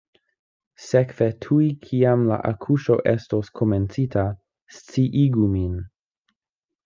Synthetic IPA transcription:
sekvetʰuikʰiamla̰ʔa̰kʰuʃo̞̰ʔesto̞skʰoment͡sitʰa | st͡siʔiɡumin

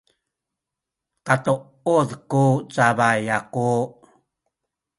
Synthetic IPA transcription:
katu | uðkut͡saβajaku

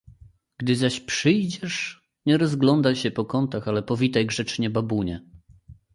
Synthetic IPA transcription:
ɡ̥d̪ɘzaɕpʂɘjd͡ʑɛʂ | ɲɛɾɔzɡlɔnd̪ajɕɛpɔkɔnt̪axalɛpɔvʲit̪ajɡʐɛt͡ʂɲɛbabuɲɛ

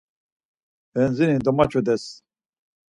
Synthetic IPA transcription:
bɛnzinid̪ɔmat͡ʃʰɔd̪ɛs

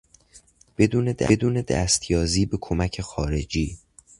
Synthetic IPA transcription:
b̥e̞d̪uːne̞d̪æ̰d̪uːne̞d̪æ̰st̪ʰjɒːziːbe̞kʰomæcʰexɒːɾe̞d͡ʒiː

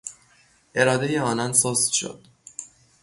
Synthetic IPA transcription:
ʔe̞ɾɒːd̪ejeɒːnɒnsoːst̪ʃo̰d̪̥

